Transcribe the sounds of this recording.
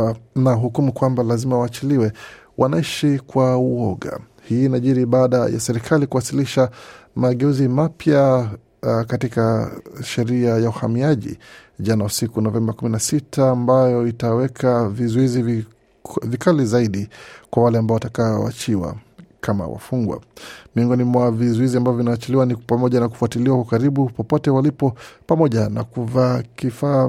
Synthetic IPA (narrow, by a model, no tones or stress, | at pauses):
naɦukumukwambalazimawaːt͡ʃiliwɛ | wʔanaiʃikwauɔɠa̰ | hiːnaʄiɾiɓaːɗaja̰sɛɾikʰalikuwasiliʃamaɠɛuzimapja | katikaʃɛɾiajauhamiaʄḭ | ʄanausikunɔvɛmbakuminasitʰaːmbajɔitawɛkʰavizɔiziv | vikalizaiɗikwawalɛambaɔwatakaɔ̰wa̰t͡ʃiwa̰ | kʰama̰wa̰fuŋɡwa̰miɔŋɡɔnimwavizɔiziambavɔvinawat͡ʃiliwanipamɔʄanaku̥fuatiliwakukaɾiɓupɔpɔtɛwalipɔpamɔʄanakuvakifaː